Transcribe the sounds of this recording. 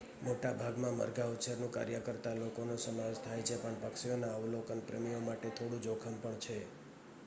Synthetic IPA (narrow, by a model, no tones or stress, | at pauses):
moʈabʱaɡmãmə̰ɾɡaut̪ːsəɾnũka̰ɾjəkəɾt̪alokonosəmaʋeʃt̪ʰajt͡ʃʰepəɳpəkʃijonaəʋlokənpɾəmijomaʈet̪ʰoɽũd͡ʒokʰəmpəɳt͡ʃʰe